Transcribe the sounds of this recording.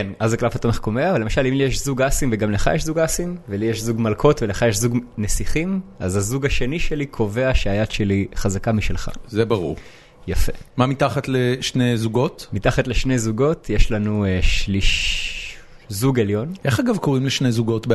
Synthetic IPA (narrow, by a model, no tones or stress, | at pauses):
kenʔazaklafatomeχkomeavalemaʃalimlijeʃzuɡasimveɡamleχa̰jeʃzuɡasimvelijeʃzuɡmalkʰo̞tveleχajeʃzuɡnesiχimazazuɡaʃe̞niʃe̞likʰo̞ve̞aʃeajadʃe̞liχazakamiʃelχa̰zebaʁṵʁ | jafḛmamitaχatleʃnejzuɡo̞tmitaχatle̞ʃne̞jzuɡo̞tjeʃlanueʃliʃ | zuɡe̞ljo̞nʔeχaɡavkoʁimleʃnejzuɡo̞tb